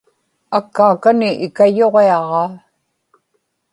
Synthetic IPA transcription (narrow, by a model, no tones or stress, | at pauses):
akːaːkanɪʔɪkajoʁeɑʁɑː